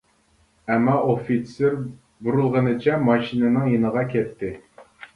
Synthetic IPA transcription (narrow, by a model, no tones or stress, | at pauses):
ɛmːɑʔofit̪seɾ | buɾulˠʁənɨt͡ʃʰɛmɑʃinɨnɨŋjenəʁɑkʲʰɛt̪ːɪ